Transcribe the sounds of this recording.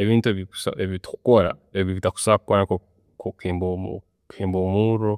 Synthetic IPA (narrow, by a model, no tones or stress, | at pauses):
eβiːntueβiku̥sa̰eβiitḁku̥koɾa̰eβiβitaku̥sakwanako | kʰokembo | kʰeːmbomuɾo